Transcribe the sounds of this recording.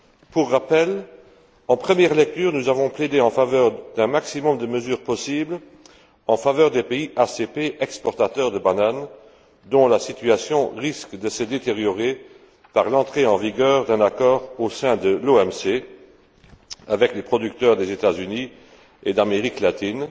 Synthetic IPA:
puʁːapɛl | ɑ̃pχəmjɛʁlɛk̚t̪yːʁnuzavɔ̃pled̪eɑ̃favœːʁd̪̥ɛ̃maksimɔmd̪əməzyːʁpɔsibl | ɑ̃favœːʁd̪epeiʔasepeʔɛkspɔʁt̪at̪œʁd̪əbanan | d̪ɔ̃lasit̪yasjɔ̃ʁiskd̪əsəd̪et̪eʁjɔʁe | paʁlɑ̃t̪χeɑ̃viɡœːʁd̪ɛ̃nakɔːʁosɛ̃d̪əloɛmse | avɛklepχɔd̪yk̚t̪œʁd̪ezet̪azyni | ed̪ameʁiklat̪in

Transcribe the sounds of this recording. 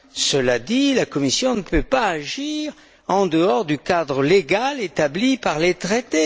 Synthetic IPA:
səlad̪ilakɔmisjɔ̃nəpøpaːʒiʁ | ɑ̃d̪əɔʁd̪ykad̪ʁəleɡalet̪ablipaʁlet̪χet̪e

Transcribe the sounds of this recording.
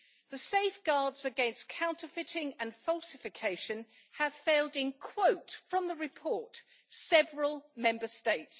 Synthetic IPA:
ðəseɪfɡ̥ɑːdz̥əɡɛ̃nskʰãʊ̃ntʰəfɪtɪ̃ŋə̃nfɒlˠsɪfɪkʰeɪʃə̃n | əv̥feɪlˠdɪ̃nkʰw̥əʊtfɹə̃mðəɹɪpʰɔɹt | sɛvɹəlˠmɛ̃mbəsteɪts

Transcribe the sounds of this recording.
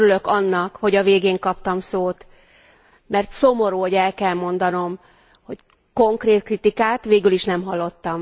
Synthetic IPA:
ɾylø̞kɒnːɒkho̞ɟɒveːɡeːŋkɒp̚t̪ɒmsoːt̪ | mɛrt̪so̞mo̞ɾuːɟɛlkɛlmo̞n̪d̪ɒno̞m | ho̞c | ko̞ŋkreːt̪̚krit̪ikaːt̪ʋeːɡyliʃnɛmɦɒlːo̞t̪ːɒm

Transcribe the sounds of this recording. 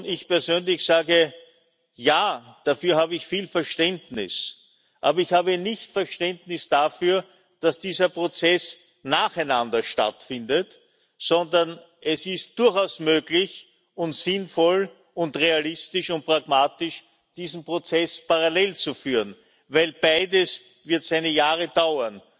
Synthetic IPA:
ɪçpɛɐzøːnlɪçz̥aːɡə | jaːd̥afyːɐhaːbəɪçfiːlfɛɐʃtɛndnɪ̰s | ʔaːbɐɪçhaːbənɪçtfɛɐʃtɛndnɪsd̥afyːɐ | d̥asd̥iːzɐpʁot͡sɛs | naːχɛɪnandɐʃta̰tfɪndət | sɔndɐn | ʔɛsɪst̚d̥ʊɐxaʊsmøːɡlɪç | ʊntz̥ɪnfɔl | ʊntʁealɪstɪʃʊnt̚pʁ̥aɡmaːtɪʃ | d̥iːzn̩pʁot͡sɛspaʁalɛlt͡sufyːʁən | væɪlb̥aɪdəs | vɪɐtz̥æɪnəjaːʁəd̥aʊɐn

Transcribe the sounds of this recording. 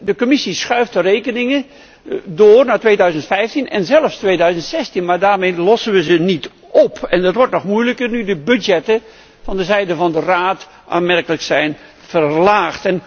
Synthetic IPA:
dəkomɪsisχœɥftərejkənɪŋə | dʊːrnaːtʋeːdœɥzəntfɛjftinɛ̰nzɛlˠəfstʋeːdœɥzəntsɛstinmaːɹdaːɹmejlɔsənʋəzənit | ʔɔpɛndɑtʋɔɹtnɔχmujləkərnydəbødjɛtə | fɑndəzɛjdəvɑndəraːt | ʔa̰ːmɛrkələksɛjn | fərlaːxtɛn

